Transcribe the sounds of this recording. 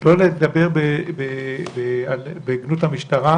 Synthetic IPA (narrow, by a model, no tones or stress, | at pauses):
loled̪abe̞ʁbebebealbeɡnut̪hamiʃt̪aʁa